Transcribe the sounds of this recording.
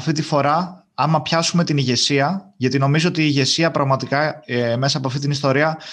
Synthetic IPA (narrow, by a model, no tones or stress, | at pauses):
ɐft̪it̪ifo̞ɾɐ | ɐmɐpçɐsume̞t̪iniʝe̞siɐʝɐt̪ino̞mizoo̞t̪iːʝe̞siɐpɾʔɐɣmɐt̪ikɐme̞sɐːpoɐft̪it̪inist̪o̞ɾiɐ